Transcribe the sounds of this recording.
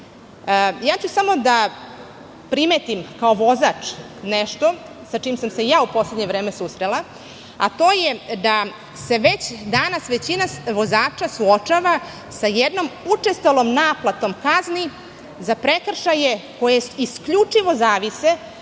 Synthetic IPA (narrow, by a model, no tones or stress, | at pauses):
jaːt͡ɕusamo̞d̪a | pɾimeːt̪imkao̞ʋo̞zat͡ʂ | neʃt̪o̞ | sat͡ʂiːmsamse̞jaːupo̞sledɲeʋɾe̞ːmesusɾela | at̪o̞ːjed̪a | se̞ʋet͡ɕd̪anasʋe̞t͡ɕinaʋo̞zaːt͡ʂasuot͡ʂaʋa | sajed̪no̞mut͡ʂest̪olomnaːplˠat̪o̞mkazni | zapɾekr̩ʃaje̞ko̞jeiskʎut͡ʂiʋo̞zaːʋise̞